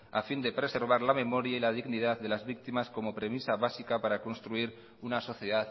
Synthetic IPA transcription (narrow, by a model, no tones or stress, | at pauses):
a̰find̪e̞pɾe̞se̞ɾβ̞aɾlame̞mo̞ɾjailað̞iɣnið̞aððe̞lazβik̚t̪imasko̞mo̞pɾe̞misaβasikapaɾako̞nst̪ɾuiɾ | unaso̞θjeðað